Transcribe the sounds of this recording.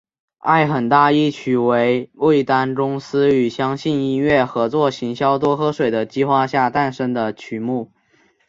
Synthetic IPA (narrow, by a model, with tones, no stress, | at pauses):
a̰˥˩ɪxə˨˩nt̪a˥˧i˥˩t͡ɕʰy˧˨˥we˧˥ɪwe˥˩ɪt̪a˥nʈ͡ʂʊ˥ŋsɹ̩˥y˨˩ɕjɑ˥ŋɕi˥˧ni˥nɥɛ˥˩xɤ˧˥t͡swɔ˥˩ɕi˧˥ŋɕjɑ˥ʊt̪wɔ˥xɤ˥ʂwe˨˩ɪd̪ə˦t͡ɕi˥xwa˥˧ɕja˥˧t̪a˥˩nʂə˥ŋd̪ə˨t͡ɕʰy˧˥mu˥˩